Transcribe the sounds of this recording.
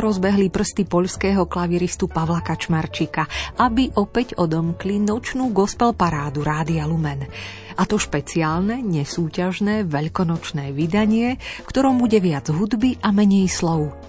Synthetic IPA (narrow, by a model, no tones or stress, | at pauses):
ɾɔzbɛɦlipr̩st̪ipɔʎskɛːɦɔklaʋiɾist̪upaʋlakat͡ʃmaɾt͡ʃikaʔabiʔɔpɛɟɔd̪ɔmklinɔt͡ʃnuːɡɔspɛlpaɾaːd̪uɾaːd̪ialumɛn | at̪ɔʃpɛt͡siaːlnɛɲɛsuːcaʒnɛːʋɛʎkɔnɔt͡ʃnɛːʋid̪aɲɪɛfkt̪ɔɾɔmbuɟɛʋɪad͡zɦud̪biʔamɛɲɛjslɔʊ